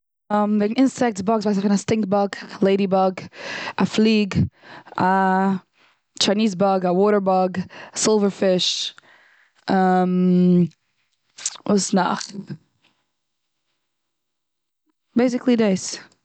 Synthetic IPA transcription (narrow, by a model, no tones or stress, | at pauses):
mvɛɡnɪnsɛk̚tsbɔɡsvaɪs̬afɪnastɪŋk̚bɔɡlˠeɪɾibɔɡaflˠiːɡ | a | t͡ʃaɪniːz̬bɔɡawɔːɾə˞bɔɡasɪlˠvəɹfɪʃ | am | vusna̰χ | b̥eɪs̬ɪklˠideɪs